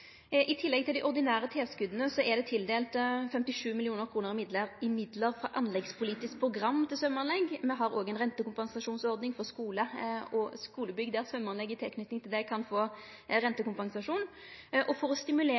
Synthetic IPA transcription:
ʔɪt̪ʰɪlːɛɡ̚t̪ʰɪld̪ɪʔɔʁd̪ɪnæːɾət̪ʰeːskʉd̪ənəsɔʔɛd̪ɛt̪ʰɪld̪eːlt̪fɛmt̪ɪʂʉːmɪlɪuːnəɾkʰɾuːnəʁɪmɪd̪ləʁɪmɪd̪ləɾfɾɑʔɑnlɛɡspʰʊliːt̪ɪsk̚pʰɾʊɡɾɑmːt̪ʰɪlsœmːɑnlɛɡmɛɦɑɾoːɡɛɪnʁɛnt̪əkʊmpɑŋsɑʂuːnsɔɾd̪nɪŋfɔʁskuːləɔskuːləbʏɡd̪æʁsœmːɑnlɛɡːɪt̪ʰɛlkʰnʏt̪ɪŋt̪ʰɪld̪ɛkʰɑnfoː | ɾɛnt̪əkʊmpɑŋsɑʂuːn | ʔɔfɔɾɔst̪ɪmʉleː

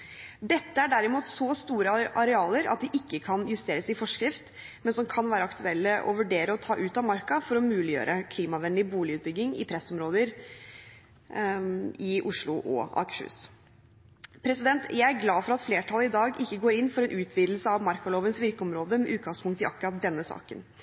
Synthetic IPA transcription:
d̪ɛt̪ːəæɖæɾɪmuːt̪sɔst̪uːɾəʔɑɾɛɑːləɾɑ̰t̪̚d̪ɛʔɪkːəkʰɑnjʉst̪eːɾəsɪfɔʂkɾɪft̪ | mɛnsɔmkʰɑnʋæːɾəɑkt̪ʉɛlːəʔɔ̰ʋʉɖeːɾəɔt̪ʰɑːʔʉːt̪ɑmɑɾkɑfɔɾɔmʉːlɪjø̰ːɾəkʰliːmɑʋɛnd̪ɪbuːlɪʉːt̪̚bʏɡːɪŋɪ̰pʰɾɛsɔmɾoːd̪əɾ | ɪʔʊʂlʊʔɔ̰ɑ̰ːkə̥ʂʉ̰ːs | pʰɾɛsɪd̪ɛnt̪jæɪæɾɡlɑːfɔɾɑt̪fleːʈʰɑləɪd̪ɑːɡɪkːəɡoːɾɪnːfɔɾɛnʔʉːt̪ʰʋiːd̪l̩səɑʋmɑɾkɔloːʋənsʋɪɾkəɔmɾoːd̪əmɛʔʉːt̪̚ɡɑŋspʰʊŋkt̪ɪɑ̰kʉɾɑt̪̚d̪ɛnːəsɑ̰ːkə̰n

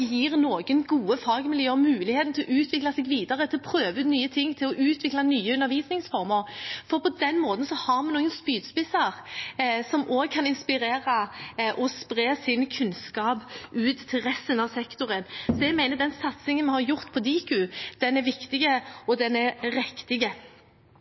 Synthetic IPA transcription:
jiːʁnoːɡənɡuːəfɑːɡmɪljøːmʉːlɪheːt̪n̩t̪ʰɪlɔʔʉːt̪ʰʋɪklɑsɛɡʋiːd̪ɑʁət̪ʰɪlɔpʰɾøːʋəʉːnyːət̪ʰɪŋːt̪ʰɪlɔʔʉːt̪ʰʋɪklɑnyːəʉnːəɾʋiːsnɪŋsfɔʁməɾfɔɾpʰɔd̪ɛnːmoːt̪ən̩sɔhɑʁmɛnuːɡənspyːd̪spɪsɑʁsɔmʔoːɡ̚kʰɑnɪnspɪɾeːɾɑʔɔspʁeːsɪnkʰʉnskɑːpʉːt̪ʰːɪlʁɛst̪ənɑʋsɛkt̪ʊʁənsɔɛɡmæɪnəd̪ɛnsɑt̪sɪŋənmɛhɑʁjʊʁt̪pʰɔd̪iːkʉd̪̥ɛnæɾʋɪkt̪ɪɡəɔd̪ɛnɛʁɾɛkt̪ɪɡə

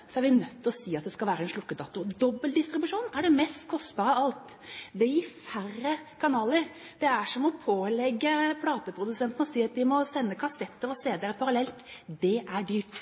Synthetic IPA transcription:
sɔæɾʋɪnœt̪ːɔsiːɑt̪̚d̪ɛskɑlʋæːɾəɛnʂlʊkːəd̪ɑːt̪ʊd̪ɔbːəld̪ɪst̪ɾɪbʉʂuːnæɖɛmɛst̪kʰɔst̪bɑːɾəɑlt̪ | d̪ɛjɪfæɾːəkʰɑnɑːləɾ | d̪̥ɛæʂɔmɔpʰoːlɛɡːəpʰlɑːt̪əpʰɾʊd̪ʉsɛnt̪n̩ɔsiːɑt̪̚d̪ɪmɔsɛnːəkʰɑsɛt̪ːəɾɔseːd̪eːɾəpʰɑɾɑlɛlt̪d̪ɛʔæɖyːp

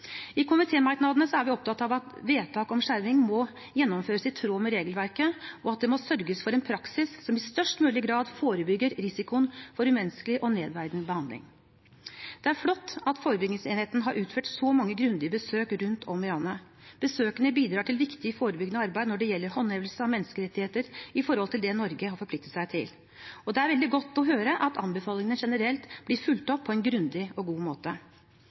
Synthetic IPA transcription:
ɪkʰʊmɪt̪ʰeːmɑɪk̪nɑd̪ənəsɔæɾʋɪɔp̚t̪ʰɑt̪ːɑɑːʋɑt̪ʋeːt̪ʰɑːkɔmʂæɾʋɪŋmɔ | jɛnːɔmføːɾəsɪt̪ʰːɾoːmɛɾeːɡəlʋæɾkəɔɑt̪̚d̪ɛmɔsœɾɡəsfɔɾɛnpʰɾɑksɪssɔmɪst̪œʂʈmʉːlɪɡɾɑːd̪foːɾəbʏɡːəɾɾɪsɪkʊənfɔɾʉmɛnskəlɪʔɔneːd̪ʋæɾd̪nəbəhɑnd̪lɪ̰ŋ | d̪̥ɛæɾflɔt̪ːɑt̪foːɾəbʏɡnɪŋseːnheːt̪nəɦɑɾʔʉːt̪føːʈsɔmɑŋːəɡɾʉnd̪ɪəbəsøːkɾʉnt̪ʰɔmɪɾɑːnə | b̥əsøːkənəbiːd̪ɾɑːʈʰɪlʋɪkt̪ɪəfoːɾəbʏɡənəɑɾbæɪd̪nɔɖɛjɛlːəɾhɔneːʋəlsəɑʋmɛnːskəɾɛt̪ːɪheːt̪əɾɪfɔɾhɔlt̪ʰɪld̪ɛnɔɾɡəɦɑɾfɔɾpʰlɪkt̪ət̪sæɪt̪ʰɪl | ɔd̪ɛæɾʋɛld̪ɪɡɔt̪ːɔɦøːɾəʔɑt̪ʰɑmbəfɑːlɪŋənʂɛnəɾɛlt̪blɪɾfʉlt̪ɔpʰːɔɛnɡɾʉnd̪ɪɔɡuːmoːt̪ə

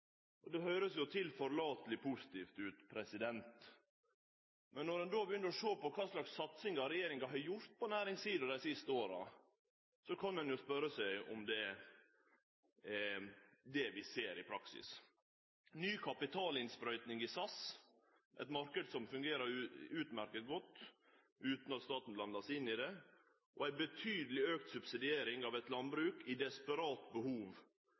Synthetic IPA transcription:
ʔɔd̪ɛhœʏɾəsjʊt̪ʰɪlfɔɾlɑːt̪əlɪpʰʊsɪ̥t̪iːft̪ʉːt̪pʰɾɛsɪd̪ɛnt̪ | mɛnːɔɾɛnd̪oːbjʏnːəɾɔʂoːpɔkʰɑːslɑksːɑt̪sɪŋɑɾɛjeːɾɪŋɡɑɦɑjʊɾt̪̚pʰɔnæːɾɪŋsiːd̪əd̪æɪsɪst̪əoːɾɑ̰ | sɔkʰɑnɛnjʊspœɾːəsæɪɔ̰md̪ɛ | d̪ɛʋɪseːɾɪpʰɾɑksɪ̰s | nyːkʰɑpɪt̪ʰɑːlɪnspɾœʏt̪nɪŋɪsɑs | ʔɛ̰t̪mɑɾkəd̪sɔmfʉŋɡeːɾəɾʉːt̪mæɾkət̪̚ɡɔt̪ː | ʉːt̪nɑt̪st̪ɑːt̪n̩blɑnd̪ɑsɪnːɪd̪ɛ | ʔɔæɪbət̪ʰyːd̪əlɪøːk̚t̪sʉbsɪd̪ɪeːɾɪŋɑʋɛt̪lɑnbɾʉːkɪd̪ɛspəɾɑːt̪bəhuːʋ

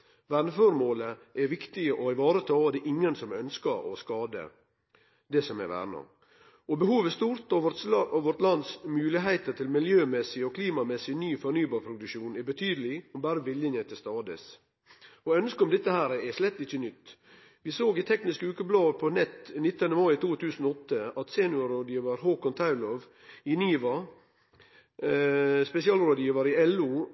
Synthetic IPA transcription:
ʋæːnəfɔɾmoːləʔɛɾʋɪkt̪ɪəʔɔɪʋɑːɾət̪ʰɑːd̪ɛʔɪŋːənsɔmœnskəɾɔ̰skɑːd̪ə̰ | d̪ɛsɔmɛ̰ʋæ̰ːɾɳɑ̰ | ɔbəhuːʋəst̪uːɾt̪ɑʋɑʋɔɾt̪lɑnd̪smʉːlɪɦæɪt̪ət̪ʰɪlmɪljøːmɛsɪɔkʰliːmɑmɛsːɪnyːfɔɾnyːbɑːɾpʰɾʊd̪ʉkʃuːnɛbət̪ʰyːd̪əlɪɔmbæːɾəʋɪljɪnət̪ʰɪst̪ɑːd̪ə̰s | ɔœnskəɔmd̪ɛt̪ːəhæːɾɛʂlɛt̪ːɪçːənʏt̪ː | ʋɪsoːɡɪt̪ʰɛknɪskəʉːkəblɑːpʰɔnɛt̪ːnɪt̪ːənəmɑɪt̪ʰuːt̪ʰʉːsən̩ɔɔt̪ːəɑt̪seːnʉɑɾoːd̪jiːʋəɾɦoːkɔnt̪ʰɑʉlɔʋ | ɪnyːʋɑ | spɛsɪɑːlɾoːd̪jiːʋəɾɪɛlːu

